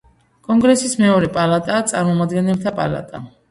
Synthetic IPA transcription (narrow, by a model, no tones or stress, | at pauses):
kʼɔŋɡɾɛsismɛɔɾɛpʼalat̪ʼaːt̪sʼaɾmɔmad̪ɡɛnɛlt̪ʰapʼa̰lˠa̰t̪ʼa̰